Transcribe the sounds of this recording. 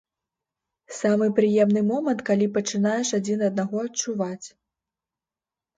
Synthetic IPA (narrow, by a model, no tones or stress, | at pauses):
samɨpɾɨjɛmnɨmɔmɐnt̪̚kalʲipɐt͡ʂɨnajɛʂad͡zʲinɐd̪̚naɣɔɐt͡ʂuvat͡sʲ